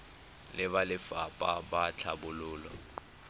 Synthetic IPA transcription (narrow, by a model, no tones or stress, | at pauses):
lɪβalɪfapʼabat͡ɬʰabʊlʊːlwa